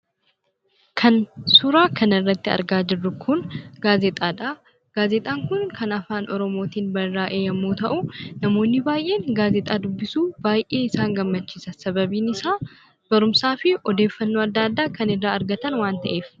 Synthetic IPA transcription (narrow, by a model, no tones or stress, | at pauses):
kʰɐnsʊɾaːkʰɐnɪrːɐt̪ːɪɐ̰ɾɡaːd͡ʒɪrːʊkʰʊnɡ̥aːzɛt̪ʼaːᶑɐ | ɡ̥aːzɛt̪ʼaːŋkʊnkʰɐnɐfaːnʔɔɾɔmo̞ːt̪iːnbɐrːaːʔeːjɐmːoːt̪ɐʔʊnɐmo̞ːnːɪbaːjʔe̞ːŋɡaːzɛt̪ʼaːd̪ʊbːɪsuːb̥aːjʔe̞ːɪsaːŋɡɐmːɐt͡ʃːiːsɐsɐbɐbiːnɪsaː | b̥ɐɾʊmsaːfɪɔd̪eːfːɐnːoːɐd̪ːaːd̪ːaːkɐnɪrːaːɐɾɡɐt̪ɐnwaːnt̪ɐʔe̞ːf